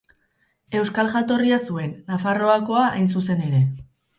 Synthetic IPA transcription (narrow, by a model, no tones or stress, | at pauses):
e̞wskalʝat̪o̞riasue̞nːafaro̞ako̞aʔa̰jns̬use̞ne̞ɾe̞